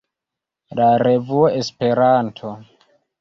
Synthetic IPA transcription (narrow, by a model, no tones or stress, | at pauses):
laɾevuoʔespe̞ɾantʰo